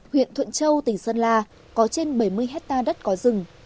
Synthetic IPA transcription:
hwḭ˧˨ənt̪ʰwə̰˧˨nt͡ɕə˧wt̪ï˧˩ŋ̟səː˧nlaː˧˩ | kɔ˨˦t͡ɕe˧nɓə˧˩jmɨ˧əjɦɛ˦˥k̚t̪aː˧ɗə˦˥t̚kɔ˨˦zɨ˨˩ŋ

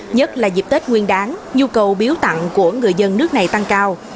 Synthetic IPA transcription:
ɲə˦˥t̚laː˨˩zi˨˩p̚t̪e˦˥t̚ŋwi˧ənɗaː˨˦nɲu˧kə˨˩wɓi˨˦əwt̪a̰˧˨ŋku˧˩əŋɨ˨˩əjzə˧nːɨ˦˥ək̚na˨˩jt̪a˧ŋkaː˧w

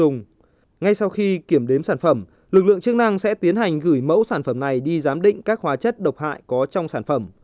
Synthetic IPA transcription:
ʊ˨˩ŋ͡m | ŋa˧jsa˧wxi˧ki˧˩əmɗe˨˦msaː˧˩nfə˧˩m | lɨ˨˩k̚lɨ̰˧˨əŋt͡ɕɨ˦˥k̚na˧ŋsɛ̰˧˥t̪i˨˦ənɦa˨˩jŋ̟ɣɨ˧˩jmə̰˧˥wsaː˧˩nfə˧˩mna˨˩jɗi˧zaː˨˦mɗḭ̈˧˨ŋ̟kaː˦˥k̚hwaː˨˦t͡ɕə˦˥t̚ɗə˨˩wk͡p̚ha̰ː˧˨jkɔ˨˦t͡ɕɔ˧wŋ͡msaː˧˩nfə˧˩m

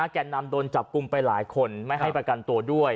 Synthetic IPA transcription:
aː˧˩kɛː˨˩na˧mdoː˧nt͡ɕa˨˩p̚ku˧mpa˧jlaː˩˦jkʰo˧nma˥˩jɦa˥˩jpɾa˧ka˧nt̪u˧ɐdu˥˩əj

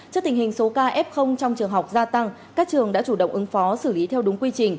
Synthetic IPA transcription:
t͡ɕk̚t̪ï˨˩ŋhï˨˩ŋ̟so˨˦kaː˧ʔɛ˦˥p̚xə˧wŋ͡mt͡ɕɔ˧wŋ͡mt͡ɕɨ˨˩əŋɦa˨˩wk͡p̚zaː˧t̪a˧ŋ | kaː˦˥k̚t͡ɕɨ˨˩əŋɗa̰ː˧˥t͡ɕu˧˩ɗə̰˧˨wŋ͡mʔɨ˨˦ŋfɔ˨˦sɨ˧˩li˨˦t̪ʰɛ˧wɗʊ˨˦ŋ͡mkwi˧t͡ɕï˨˩ŋ̟

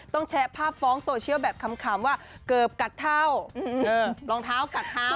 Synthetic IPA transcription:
t̪ɔ˥˩ŋt͡ɕʰɛː˦˥pʰaː˥˩p̚fɔː˦˥ŋsoː˧t͡ɕʰi˥˩˨wbɛː˨˩p̚kʰa˧˥mkʰaː˩˦mwaː˥˩kɤː˨˩p̚ka˨˩t̪ʰːa˥˩wɤː˧˩lɔː˧ŋt̪ʰaː˦˥˩wka˨˩t̪ʰːaː˥˩

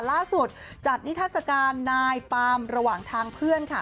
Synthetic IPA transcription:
laː˥˩su˨˩t̪̚t͡ɕa˨˩t̪̚ni˦˥t̪ʰaː˥˩sa˧kaː˧nːaː˧jpaː˧mɾa˧waː˨˩ŋt̪ʰaː˧ŋpʰɯ˥˩ənkʰa˥˩

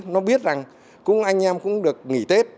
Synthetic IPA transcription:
nɔ˨˦ɓi˦˥ət̚za˨˩ŋ | kʊ̰˧˥ŋ͡mʔaː˧jŋ̟ʔɛː˧mkʊ̰˧˥ŋ͡mɗɨ˨˩ək̚ŋḭ˧˩t̪e˦˥t̚

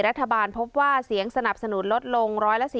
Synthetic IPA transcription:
ɾa˦˥t̪ʰːabaː˧npʰo˦˥p̚waː˥˩si˨˩˦əŋsa˧na˨˩p̚sa˧nu˩˦nlo˦˥t̪̚lo˧ŋɾɔː˦˥jla˧˥ʔsiː˨

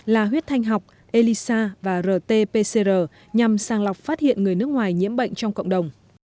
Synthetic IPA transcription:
laː˨˩ɦwi˦˥ət̚t̪ʰa˧jŋ̟ɦa˨˩wk͡p̚ | ʔe˧li˧saː˧vaː˨˩zəː˨˩t̪e˧pe˧se˧zəː˨˩ | ɲa˨˩msaː˨˩ŋla˨˩wk͡p̚faː˦˥t̚hḭ˧˨ənŋɨ˨˩əjnɨ˦˥ək̚ŋwaː˨˩jɲḭ˧˥əmɓə̰˧˨jŋ̟t͡ɕɔ˧wŋ͡mkə̰˧˨wŋ͡mɗə˨˩wŋ͡m

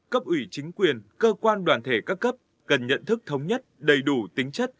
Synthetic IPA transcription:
kə˦˥p̚ʔwi˧˩t͡ɕï˨˦ŋ̟kwi˨˩ənkəː˧kwaː˧nɗwaː˨˩nt̪ʰe˧˩kaː˦˥kːə˦˥p̚ | kə˨˩nɲə̰˧˨nt̪ʰɨ˦˥k̚t̪ʰə˨˦wŋ͡mɲə˦˥t̚ɗə˨˩jɗu˧˩t̪ï˨˦ŋ̟t͡ɕə˦˥t̚

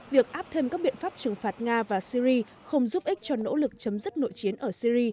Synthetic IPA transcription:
vi˨˩ək̚ʔaː˦˥p̚t̪ʰe˧mkaː˦˥k̚ɓḭ˧˨ənfaː˦˥p̚t͡ɕɨ˨˩ŋfaː˨˩t̚ŋaː˧vaː˨˩si˧ɾi˧ | xə˧wŋ͡mzu˦˥p̚ʔi˦˥k̟̚t͡ɕɔ˧no̰˧˥lɨ˨˩k̚t͡ɕə˨˦mzɨ˦˥t̚no̰˧˨jt͡ɕi˨˦ənʔəː˧˩si˧ɾi˧

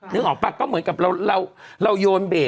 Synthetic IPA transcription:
nɨ˨˦əŋʔɔː˨˩paː˧˩kːɔ˨˦mɨ˨˦nka˨˩p̚la˧wla˧wla˧wzo˧nɓe˨˩

